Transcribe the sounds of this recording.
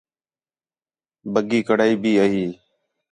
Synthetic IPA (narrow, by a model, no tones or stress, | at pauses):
bəɡiːkəɽaːiːbiːəɦiː